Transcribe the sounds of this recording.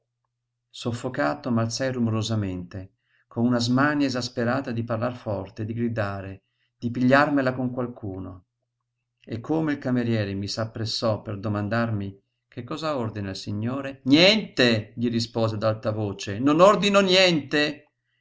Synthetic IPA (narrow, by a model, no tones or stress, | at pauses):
sofːokaːt̪omalt̪sɛjrumoɾozament̪e | konunazmaniezaspeɾaːt̪ad̪iparlarfɔrt̪ed̪iɡɾid̪aːɾe | d̪̥ipiʎːarmelakoŋkwalkʰuːno̰ | ekʰːomeilkameɾjɛːɾemisapːɾesːɔpːerd̪omand̪armi | kekːɔːzaord̪inalsiɲːoːɾenjɛnt̪eʎiɾis̬poːzed̪alt̪avoːt͡ʃenonord̪inonjɛnt̪e